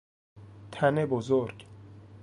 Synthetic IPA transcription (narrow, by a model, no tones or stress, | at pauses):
t̪ʰænebozoɾɡ